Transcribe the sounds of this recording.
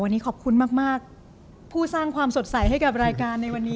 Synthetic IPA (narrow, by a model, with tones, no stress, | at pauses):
wa˧nːiː˦˥kʰɔː˨˩p̚kʰu˧nmaː˥˩k̚maː˥˩k̚ | pʰuː˥˩saː˥˩ŋkʰwaː˧mso˨˩t̪̚sa˨˩˦jɦa˥˩jka˨˩p̚ɾaː˧jkaː˧nːa˧jwa˧nːiː˦˥